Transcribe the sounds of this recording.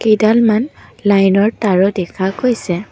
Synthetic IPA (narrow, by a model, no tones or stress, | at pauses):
kejdalmanlajnɔɹtaɹɔdɛkʰakojsɛ